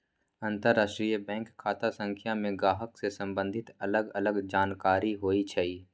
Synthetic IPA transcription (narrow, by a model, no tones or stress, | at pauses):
ə̃nt̪əɾːaːʃʈɾijəbɛ̃ːŋkʰːaːt̪asə̃ŋkʰjamẽɡaːɦəksesə̃mbə̃nd̪ʱɪt̪ɐləɡɐləɡd͡ʒaːnkaːɾiɦoːit͡ʃʰɛi